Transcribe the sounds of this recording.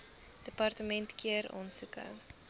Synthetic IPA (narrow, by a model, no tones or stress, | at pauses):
d̥əpɐrtəmɛntkiəɾɔ̰nsukə̰